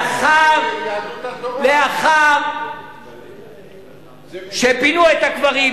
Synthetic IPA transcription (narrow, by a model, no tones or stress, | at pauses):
χav | leaχav | ʃepinuet̪akvaʁi